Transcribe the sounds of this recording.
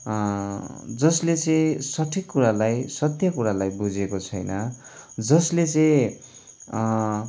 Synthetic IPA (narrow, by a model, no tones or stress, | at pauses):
d͡zʌslet͡sʌj̃sʌʈʰikːuɾalajsʌt̪jʌkuɾalajbud͡zekot͡sʰʌjnʌd͡zʌslet͡sʌ̃